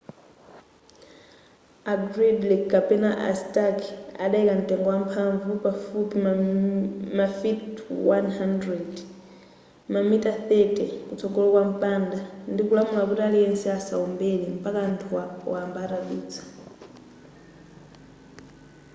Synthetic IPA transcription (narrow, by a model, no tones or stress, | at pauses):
aɡɾidlikapɛnaʔa̰staka̰ɗaɛkan̩tɛŋɡɔwam̩pʰaɱvupafupim | mafitwanhandɾɛd | mamitaθɛtɛkut͡sɔɡɔlɔkwam̩pandandikulamulakutialiɛnsɛasa̰ɔmbelim̩pakantʰuwawambaɾaɓiːd͡zḁ